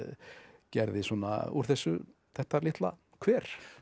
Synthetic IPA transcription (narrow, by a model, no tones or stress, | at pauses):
cɛɾðɪsɔːna̰ṵɾ̥θɛsːʏθɛht̪alɪht̪la̰ | kʰvɛːɾ̥